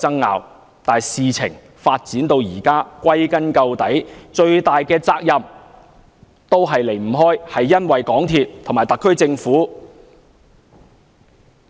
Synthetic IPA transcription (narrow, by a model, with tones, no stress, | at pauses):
ɐ˥ŋːa̰ː˨˧w | t̪aː˨jsiː˨t͡sʰɪ˨˩ŋ | faː˧t̚t͡siː˨˥nt̪o˧wjiː˨˩kaː˥kʷɐ˥jkɐ˥nkɐ˧wt̪ɐ˨˥jt͡ʃɵ˧ɥt̪aː˨jkɛː˧t͡saː˧k̚jɐ˨m | t̪o˥wɦɐ˨jle˨˩jm̩˨˩ɦɔː˥jhɐ˨jːɐ˥nwɐ˨jkɔː˨˥ŋt̪ʰiː˨t̚t̪ʰo˨˩ŋmaː˨˩jt̪ɐ˨˩kʰːɵ˥ɥt͡sɪ˧ŋfuː˨˥